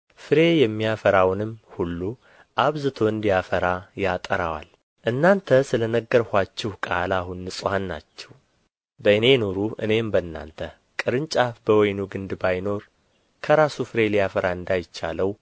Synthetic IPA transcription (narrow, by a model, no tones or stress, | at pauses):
fɨɾe̞jɛmːijafəɾawnɨmhulːu | ʔaβzɨt̪ʰo̞ɨnd̪ijafəɾajat̪ʼəɾawa̰l | ʔɨnːant̪ʰəsɨlənəɡːəɾhʷat͡ʃːɛhkʼalahunːɨsʼhanːa̰t͡ʃːɛ̥w | bəɨne̞no̞ɾuʔɨ̰ne̞mbənːa̰nt̪ʰə | kʼɨɾɨnt͡ʃʼafbəwɔjnuɡɨnd̪bajno̞ɾ | kʰəɾasufɨɾe̞lijafəɾaɨnd̪ajɪt͡ʃːa̰ləw